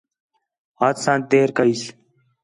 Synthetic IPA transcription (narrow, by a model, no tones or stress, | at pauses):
aːt̪sãːn̚t̪eːɾkəiːs